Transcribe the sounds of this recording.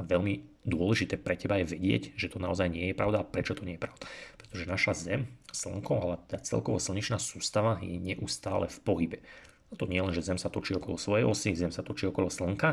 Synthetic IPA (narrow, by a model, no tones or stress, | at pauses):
aʋɛʎmi | d̪ʊɔlɛʒit̪ɛːpɾɛcɛbajɛʋɛɟɪɛ̰ɟʒɛt̪ɔnaɔzajɲɪɛjɛpɾaʊd̪apɾɛt͡ʃɔt̪ɔɲɪɛjɛpɾaʊd̪̥ḁpɾɛ̥t̪ɔʒɛnaʃazɛmsl̩ŋkɔalɛat̪ɛd̪aːt͡sɛ̰lkɔʋɔsl̩ɲit͡ʃnaːsuːst̪aʋajɛ̰ɲɛʔust̪aːlɛ̰fpɔɦibɛ | at̪ɔɲɪɛlɛnʒɛzɛmsat̪ɔt͡ʃiːɔkɔlɔsʋɔjɛ̰jɔsizɛmsat̪ɔt͡ʃiːɔkɔlɔsl̩ŋka